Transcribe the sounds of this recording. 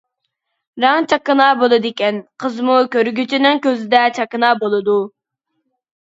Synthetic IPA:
ɾɑŋt͡ʃʰɑkːənɑːbolˠɨd̪ɪkʲɛnqʰəzmukʲøɾɡʲyt͡ʃʰinɪŋkʲøzɪd̪ɛt͡ʃʰɑkənɑːbolˠɨd̪u

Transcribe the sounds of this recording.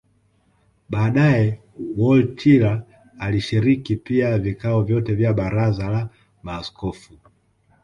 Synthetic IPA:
ɓaːɗaɛ | wɔltʰiɾaː | liʃiɾikipiavikaɔvjɔtɛvjaɓaɾazala | maːskɔfu

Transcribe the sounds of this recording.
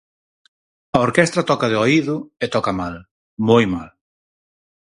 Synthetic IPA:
ɐoɾkest̪ɾɐt̪ɔkɐðɪoiðʊet̪ɔkɐmal | mojmal

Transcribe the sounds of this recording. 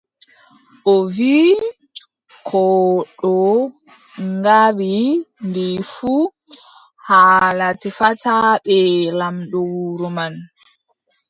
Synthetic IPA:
ʔɔvi | kʰɔɗɔ | ŋɡaɾindifu | halatifataɓɛlamɗɔwuɾuman

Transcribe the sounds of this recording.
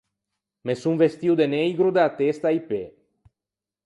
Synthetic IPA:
mesuɱvest̪iuwd̪enejɡɾud̪aat̪est̪aipe

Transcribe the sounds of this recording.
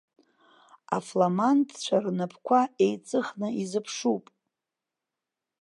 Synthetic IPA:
a̰flamantʰʼt͡ʃʷʰarnɨpʰkʷʰaejt͡sʼɨχnɨizɨpʰʂupʼ

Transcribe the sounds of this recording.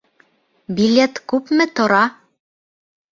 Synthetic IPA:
bilʲet̪kʉpmɘt̪ŏɾɑ

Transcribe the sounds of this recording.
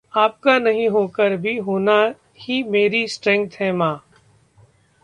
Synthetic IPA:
aːp̚kanɐɦĩɦoːkəɾbʱiɦoːna | himeːɾisʈɾɛ̃ŋkt̪ɦɛmãː

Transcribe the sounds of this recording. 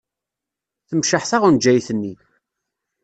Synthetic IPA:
θəmʃəħθaʁund͡ʒːæjθənːi

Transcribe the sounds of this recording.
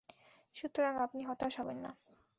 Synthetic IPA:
ʃut̪ːɾoɾaŋapniɦɔt̪aʃɔbenːa̰

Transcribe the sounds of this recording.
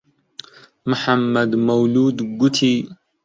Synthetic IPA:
mʊħamːad̪mawluːd̪ɡʊt̪ʰi

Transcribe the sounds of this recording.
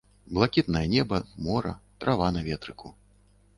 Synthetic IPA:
blˠakʲit̪nɐjɐnʲɛbɐmɔɾɐ̰t̪ɾʔavanɐvʲɛt̪ɾɨku

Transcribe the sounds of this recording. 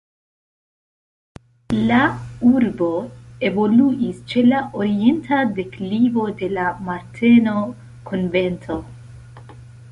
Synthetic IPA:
lauɾbo̞e̞vo̞luʔist͡ʃe̞laʔoɾie̞ntʰade̞klibo̞de̞lamaɾtʰe̞no̞ | kʰonve̞ntʰo̞

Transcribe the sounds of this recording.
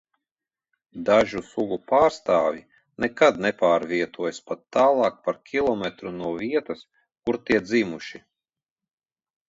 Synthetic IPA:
d̪aʒusuɡupaːɾst̪aːvʲji | nɛkad̪nɛpaːɾviɛt̪uɔjspat̪ːaːlˠɑːk̚paɾkʲʰilˠɔmɛt̪ɾunuɔviɛt̪ɐs | kuɾt̪iɛd̪zimuʃi

